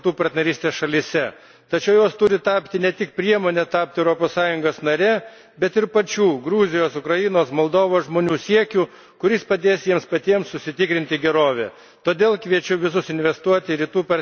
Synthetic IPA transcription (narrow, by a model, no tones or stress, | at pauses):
t̪uːpɐɾt̪ʲnʲɛɾʲiːst̪ʲeːsʃɐlʲɪsʲɛ | t̪ɐt͡ʃʲɛʊjoːst̪ʊɾʲɪt̪ɑːpʲt̪ʲɪnʲɛt̪ʲɪkpʲɾʲiɛmoːnʲɛt̪ɑːp̚ʲt̪ʲɪɛʊɾoːpoːssɑːjʊŋɡoːsnɐɾʲɛː | bʲɛt̪ɪɾpɐt͡ʃʲuːɡɾuːzʲɪjoːsʊkɾɐjɪnoːsmolˠd̪oːʋoːsʒmoːnʲuːsʲiɛkʲuː | kʊɾʲɪspɐd̪ʲeːsjiɛmspɐt̪ʲiɛmssʊsʲɪt̪ʲɪkɾʲɪnʲt̪ʲɪɡʲɛɾoːʋʲɛ̰ | t̪oːd̪ʲeːlˠkʋʲiɛt͡ʃʲʊʋʲɪsʊsɪnʲʋʲɛst̪uɔt̪ʲɪɾʲiːt̪uːpɐ